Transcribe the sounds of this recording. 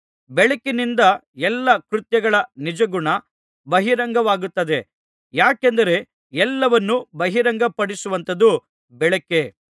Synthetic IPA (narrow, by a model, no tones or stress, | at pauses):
bɛɭɐkinind̪ɐɛlːɐkɾut̪jɐɡɐɭɐnid͡ʒɐɡuɳɐ | bɐɦiɾɐŋɡɐʋaːɡut̪ːɐd̪e | jaːkend̪ɐɾe̞ | ɛlːɐʋɐnːubɐɦiɾɐŋɡɐpɐɽisuʋɐnt̪ɐd̪u | bɛɭɐkːe̞